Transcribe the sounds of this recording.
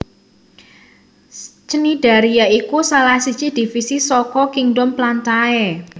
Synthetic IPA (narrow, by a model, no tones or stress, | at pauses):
t͡ʃəniɖ̥a̤ɾijaikusalahsi̥t͡ʃid̪̥i̤fisisɔkɔkiŋɖɔmplantaɛ